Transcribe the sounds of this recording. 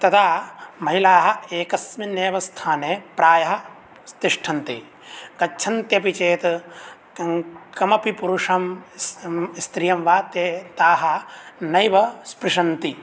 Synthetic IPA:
t̪ɐt̪ʰaːmɐɦilaːɦɐ̆eːkɐsmineːʋɐst̪ʰaːneːpɾaːjɐɦɐ | st̪iʂʈʰɐnt̪i | ɡɐt͡ʃʰɐnt̪jɐpit͡ʃeːt̪ | kɐmɐpipuɾuʂɐm | st̪ɾijɐmʋaːt̪jeːt̪aːɦɐnɐjʋɐspɾiʂɐnt̪i

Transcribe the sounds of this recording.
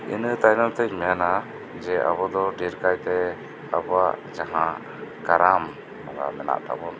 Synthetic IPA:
ḭnət̪ajnalt̪ɛjmɛjana | d͡ʒɛʔa̰bɔd̪ɔɖiɾkajt̪ɛ | a̰bɔaʔd͡ʒaɦã | kaɾam | aɡa̰mɛna̰ʔt̪a̰bɔn

